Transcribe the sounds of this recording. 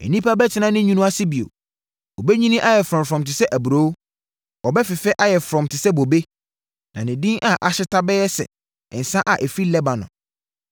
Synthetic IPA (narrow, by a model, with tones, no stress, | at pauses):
ɛ̰˨nĩ˦pʰa˦bɛ˦tʰɪ˦nã˦nɪ̃˦ɲũ˦nũ˦a˦sɪ˦bi˨o̰˨ | ɔ˨bɛ˦ɲĩ˦nĩ˦ʔa˦jɛ˨fɾɔ̃˨mfɾɔ̃˨mtɪ˨sɛ˦ʔæ˨bu˨ɾo˦w | ɔ˨bɛ˦fɪ˨fɛ˦ʔa˦jɛ˨fɾɔ̃˨mtʰɪ˨sɛ˦bo˨be˦ | nã̰˨nɪ̃˨dĩ˦ŋʔa˨ʔa˨ɕɪ˦tʰa˦bɛ˦jɛ˦sɛ̰˨ | ɪ̰̃˨n̩˨sã˦ʔa˨ʔɛ˨fi˦lɛ˦bã˨nʊ̰̃˨